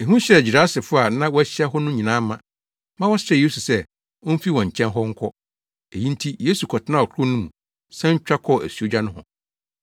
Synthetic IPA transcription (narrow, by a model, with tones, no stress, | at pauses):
e˨ɦũ˦ɕɛ˦˨d͡ʑi˨ɾa˨˦sɪ˨fʊ˦a˨nã˦wɔ˦æ˦ɕɛ˦ɦɔ˦nʊ̃˦ɲĩ˨nãː˦mã˦ | mã˦wɔ̃˦stɛ˦˨je˦su˨sɛ˦˨ | ʊ̃˦m̩˦fi˦wɔ̃˨ɲ̩˨t͡ɕʰɛ̃˦nɦɔ˦ŋ̩˦kʰɔ˦ | e˨jĩ˦n˦tʰi˦je˦su˨kʰɔ˨tʰɪ˦nã˦˨ɔ˨kʰʊ˦nʊ̃˦mũ˨ | sɛ̃˦ɲ̩˦t͡ɕᶣa˦kʰɔ˦˨ʔæ̰˨su˨o˦d͡ʑᶣa˦nʊ̃˦ɦɔ̰̃˨